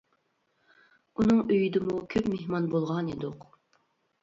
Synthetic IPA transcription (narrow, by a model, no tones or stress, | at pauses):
unɨŋøjd̪ɪmukʲʰøpmehmɑnbolˠʁɑnid̪ʊq